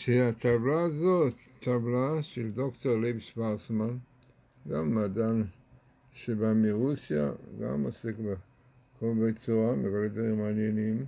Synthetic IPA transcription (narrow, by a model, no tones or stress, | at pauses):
ʃeat̪ablaːzot̪ːablaʃeld̪okt̪oʁlevʃbalsman | ɡamːad̪an | ʃebamiʁusja̰ɡa̰mosekbe | kombejt͡suʁamekoled̪vaʁimaːnjenim